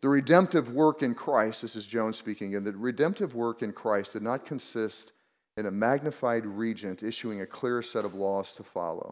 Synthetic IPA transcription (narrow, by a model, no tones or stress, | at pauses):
ðɨɹɨdɛ̃mp̚tɨvwɜ˞kɨ̃nkʰɹ̥aɪst̚ðɪsɨzd͡ʒõʊ̃nz̥spikɪ̃ŋɨ̃nðɨɹɨdɛ̃mp̚tɨvwɜ˞kɨ̃nkʰɹ̥aɪsd̥ɨdⁿnət̚kʰɨ̃n̩sɪst | ɨ̃nɨmæɡ̚nɨfaɪd̚ɹid͡ʒɨ̃ntɪʃʉɪ̃ŋɨkʰl̥ɪɹsɛɾʌvlɔz̥tʰəfɑ̰lˠo̰ʊ